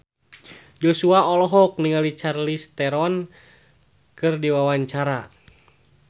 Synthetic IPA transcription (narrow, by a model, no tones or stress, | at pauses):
d͡ʒosuaɔlɔɦɔk̚niŋalit͡ʃarlist̪ɛɾɔn | kɨrdiwawaɲt͡ʃaɾa